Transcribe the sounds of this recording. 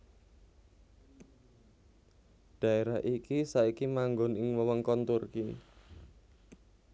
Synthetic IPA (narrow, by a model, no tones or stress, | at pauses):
ɖ̥a̤eɾaɦʔikisaikimaŋɡɔnɪŋwəwəŋkɔnt̪urkḭ